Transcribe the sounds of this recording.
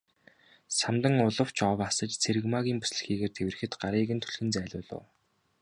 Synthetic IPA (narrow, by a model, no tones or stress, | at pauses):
samt̪ə̆ŋʊɮə̆w̥t͡ɕʰɔwasə̆t͡ɕt͡sʰeɾɘ̆ɣmaːɣʲiːmpu̥sɮɘ̥̆xiːɣeːrt̪ʰew̆rɘ̆xɘ̆t̪ɢaɾiːɣɘ̆nt̪ʰɵ̥ɮxɘ̆nt͡sæːɮʲʊ̰ːɮʊ̰ː